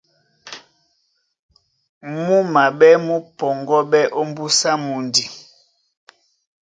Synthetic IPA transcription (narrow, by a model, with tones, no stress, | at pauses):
mu˦ma˨ɓɛ˦mu˦pɔ˨ŋɡɔ˦ɓɛ˦ʔo˦m˦bu˦sa˦mu˨ndi˨